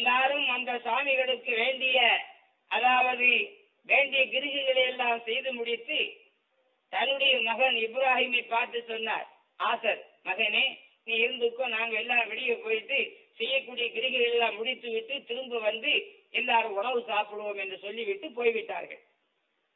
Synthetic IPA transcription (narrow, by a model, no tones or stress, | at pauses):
ɛnːaːɾɯmɐnd̪ɐsaːmɪɣɐɭɯkːɯʋeːɳɖɪjɐ | ʔɐðaːʋɐðɯ | ʋeːɳɖɪjɐɡɪɾɯɣɪɣɐɭɐjɛlːaːmsɛjðɯmʊɽɪt̪ːɯ | t̪ɐnːɯɽɐjɐmɐɣɐnɪbɾaːɦiːmɐɪpːaːɾt̪ɯsɔnːa̰ːɾ | ʔaːsɐɾ | mɐɣɐneː | niːɪɾɯnd̪ɯkːõːnaːŋɡɐɭɛlːaːmʋɛɽɪjɐpoːjt̪ːɯsɛjːɐkːuːɽɪjɐɡɪɾɯɣɪɣɐɛlːaːmːʊɽɪt̪ːɯʋɪʈːɯt̪ɪɾɯmbɯʋɐnd̪ɯ | ɛlːaːɾɯmʊɳɐʋɯsaːpɪɽɯʋoːmɛndrɯsɔlːiʋɪʈːɯpoːjʋɪʈːa̰ːɾɣɐ̰ɭ